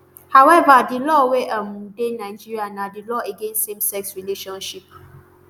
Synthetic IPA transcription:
hawɛvadɪlɔweʔamudenaɪd͡ʒiɾianadilɔeɡẽnsemsɛksɹileʃɔ̃nʃip̚

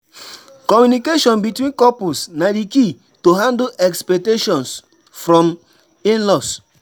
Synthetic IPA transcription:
kɔmjunikeʃɔ̃nbitwĩnkɔpusnadiki | toɦãndoɛkspɛk̚teʃɔ̃ns | fɾɔ̃m | ĩnlɔs

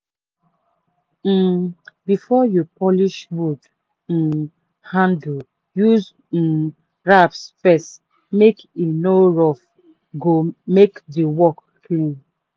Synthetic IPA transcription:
bifɔjupɔliʃwud | n̩ | hãnd | juz̩ | ɹapsfɛst | mek | inoɹɔf | ɡomekdiwɔk | klĩn

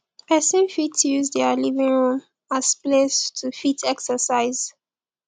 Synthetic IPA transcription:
əsẽmfitjuzdɛlivĩŋɹũm | asplestʰufitʰɛksəsaɪz̥

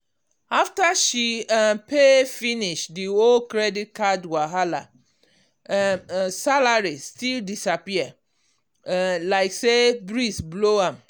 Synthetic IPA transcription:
aftaʃiapefiniʃdiolkɹɛdit̚kʰadwaɦala̰ | salaɹistildisapia | laɪksebɹisbloãm

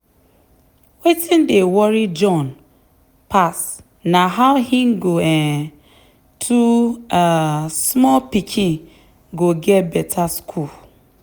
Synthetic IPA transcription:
wetʰĩndewɔɾid͡ʒɔ̃n | pʰas | nãɦaʊhĩnɡoɛ | tʰuasmɔlpikʰĩn | ɡoɡɛbɛtʰaskʰul

